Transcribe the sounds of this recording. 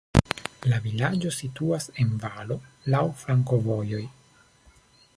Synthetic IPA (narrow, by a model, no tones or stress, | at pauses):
lavilad͡ʒo̞situase̞nvalo̞lawfɾaŋko̞vo̞jo̞j